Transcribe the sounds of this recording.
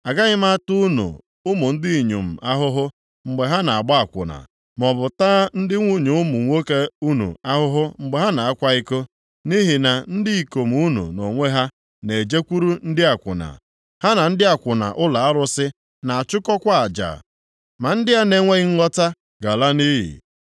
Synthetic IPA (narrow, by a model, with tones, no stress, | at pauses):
a˨ɡa˦ɣɪ˦ma˦tu˦nṵ˨ | ʊ˦mʊ˨n̩˦dɪ˦i˨ɲṵ˨m̩˨ʔa˦ɦʊ˦ɦʊ˦ | ŋ͡m̩˨ɡ͡be˨ɦa˦na˨a˨ɡ͡ba˦a˨kʷʊ̰˨na̰˨ | m˨ɔ˨bʊ˨taː˦n̩˦dɪ˦ŋʷu˦ɲu˨ʊ˦mʊ˨ŋʷo˦ke˦u˦nṵ˨a˦ɦʊ˦ɦʊ˦ŋ͡m̩˨ɡ͡be˨ɦa˦na˨a˦kʷa˦i˦ko˦ | ni˦ɦɪ˨na˨n̩˦dɪ˦i˨ko˨m˨u˦nṵ˨no˨ŋʷe˦ɦa˦ | ne˨d͡ʒe˦kʷu˦ɾu˦n̩˦dɪ˦a˨kʷʊ̰˨na̰˨ | ha˦na˨n̩˦dɪ˦a˨kʷʊ˨na̰˨ʔʊ˦la˨a˦ɾʊ˦sɪ˦ | na˨a˨t͡ʃʊ˦kɔ˦kʷa˦a˨d͡ʒa̰ː˨ | ma˨n̩˦dɪ˦ɦa˦ne˦ŋʷe˦ɣi˦ŋ̩˦ŋɔ˦ta˦ | ɡa˨la˦ni˦jḭ˨